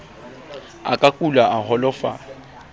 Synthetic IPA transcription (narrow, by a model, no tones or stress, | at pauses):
a̰kʼakʼulaʔahɔlɔfa̰